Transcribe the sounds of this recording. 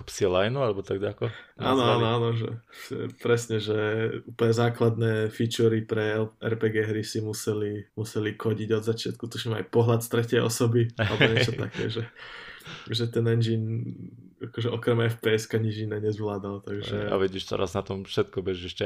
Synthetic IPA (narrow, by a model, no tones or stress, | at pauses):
psiɛlajnualɛbɔt̪aɡɟakɔʔa̰ːnɔaːnɔaːnɔʒɛ̰ʒ̥ɛ̰pɾɛsɲɛʒɛuːpl̩ɲɛzaːklad̪nɛːfit͡ʃuɾipɾɛʔɛ̰ɾpɛɡɛɦɾisimusɛlimusɛlixɔɟiɟɔd̪zat͡ʃɪat̪̚kut̪ɔʃɲɛma̰jpɔɦlat̪st̪ɾɛcɪɛjɔ̰sɔbialɛbɔɲɛt͡ʃɔt̪a̰kɛ̰ːʒɛ | ʒɛt̪ɛnɛnd͡ʒin | akɔʒɛʔɔkɾɛmɛɛfpɛɛskaɲiʒinɛɲɛzʋlaːd̪alt̪aɡʒɛa̰ʋiɟiːʃt̪ɔ̰ɾa̰znat̪ɔmfʃɛt̪̚kɔbɛʒiʃɛ